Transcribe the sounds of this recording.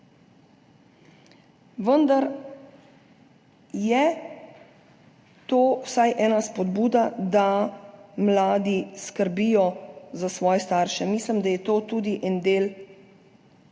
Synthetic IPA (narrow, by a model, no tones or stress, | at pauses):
ʋənd̪aɾ | jɛ | t̪oːwsajʔɛːnaspɔd̪buːd̪ad̪a | mlaːd̪iskəɾbiːjɔzasʋɔːjɛst̪aːɾʃɛmiːslimd̪ajɛt̪oːt̪uːd̪iʔɛnd̪eːl